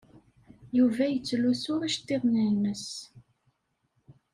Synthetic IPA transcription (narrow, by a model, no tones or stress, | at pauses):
juvæjət͡sːlusʊɾæʃt̪ːeðˤniməs